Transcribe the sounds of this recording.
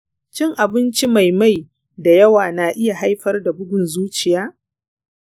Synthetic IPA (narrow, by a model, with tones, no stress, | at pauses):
t͡ʃɪ˦ŋʔa˨bɪ˦nt͡ʃi˦ma˨jma˦j | da˨jɐ˦waː˨naː˨ʔɪ˦ja˨ɦa˦jɸɐ˦rda˨bʊ˦ɡʊ˨nzuː˦t͡ʃɪ˨jaː˦